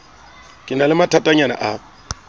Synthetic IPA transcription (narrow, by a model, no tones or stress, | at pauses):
kʼɪnalɪmatʰatʼaɲana̰ʔa